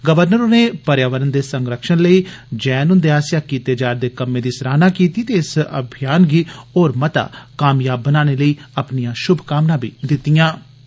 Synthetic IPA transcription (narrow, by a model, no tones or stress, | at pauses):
ɡəʋəɾnəɾoːneːpəɾjaːʋəɾənd̪eːsəŋɡɾəkʃənləiːd͡ʒɛːnʊ̃nd̪eaːsjaːkiːt̪eːd͡ʒaːɾd̪eːkəmːẽːd̪iːsɾaːnaːkiːt̪iːt̪eɪsə̰bʱjaːnɡiːoːɾmət̪a̰ːkaːmjaːb̚ːənaːneːləiːəpnijãːʃʊbʱkaːmnãːbʱḭːd̪ɪt̪ːijãː